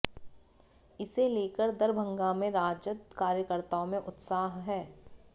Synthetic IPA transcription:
ɪseleːkəɾd̪ɐɾbʱə̃ŋɡamẽɾaːd͡ʒət̪kaːɾjəkəɾt̪aõmẽʔʊt̪saːɦɦɛː

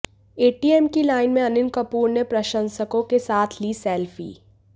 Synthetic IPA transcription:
eːʈiːɛmkilaːɪnmẽɐnɪnkɐpuːɾnepɾɐʃə̃nsəkõkesaːt̪ʰliːsɛːlfḭː

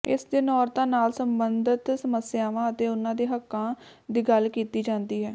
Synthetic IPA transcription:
ɪsd̪ɪnɔːɾt̪ãːnaːlsəmbənd̪ət̪səməsjaːʋãːət̪eːʊnãːd̪eːɦəkːãː | d̪iːɡəlkiːt̪iːd͡ʒãːnd̪iːɦɛː

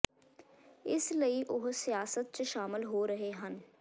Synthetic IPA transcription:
ɪsləiʔʊɦsijaːsət̪̚t͡ʃəʃaːmɪlɦoːɾəɦeɦən

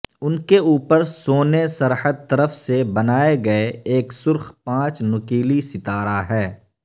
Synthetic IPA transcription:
ʊnkeuːpəɾsoːnesɐɾhəd̪̚t̪ɐɾəfsebɐnaːeɡɐeeːksʊɾxpãːt͡ʃnʊkiːlisɪt̪aːɾaɦɛː

